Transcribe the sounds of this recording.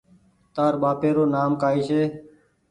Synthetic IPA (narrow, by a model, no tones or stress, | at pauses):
t̪aːɾɓaːpeːɾoːnaːmkaːiːʃeː